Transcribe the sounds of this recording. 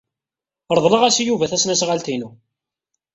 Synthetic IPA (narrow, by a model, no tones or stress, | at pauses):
ɾˤðˤləʁæsijuvæθæsnæsʁalt̪inu